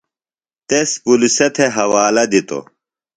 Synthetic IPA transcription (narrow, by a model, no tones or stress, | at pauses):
t̪espuliset̪ʰeɦɐwaːlɐd̪it̪o̰